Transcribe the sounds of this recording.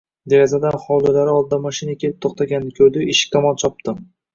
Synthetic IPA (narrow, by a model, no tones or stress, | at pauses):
d̪eɾazad̪anχɒwlʊlaɾɪɒlˠd̪amɒʃɪnakʲʰe̞lɪp̚t̪ʰoχt̪ʰaɡʲanːɪkʰʲɵɾd̪ɪɪʃkʰːamɒlt͡ʃʰɒp̚t̪ɪm